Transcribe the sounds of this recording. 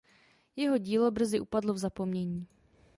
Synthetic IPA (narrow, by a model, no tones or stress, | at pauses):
jɛɦo̞ɟiːlo̞br̩zɪʔupadlovzapo̞mɲɛɲiː